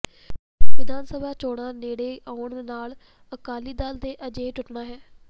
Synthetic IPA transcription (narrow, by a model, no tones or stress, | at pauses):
ʋɪd̪aːnsəbʱaːt͡ʃoːɽaːneːɽeːʔaːʊɳd̪eːnaːl | əkaːliːd̪aːld̪eːʔəd͡ʒeːʈʊʈnaːɦɛː